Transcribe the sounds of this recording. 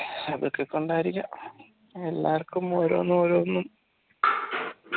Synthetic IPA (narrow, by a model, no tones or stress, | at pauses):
ɐʋḭrkːekːoɳɖaːɾiɣɐ | e̞lːaːrkːumoːɾo̞̰ːnːumoɾoːnːum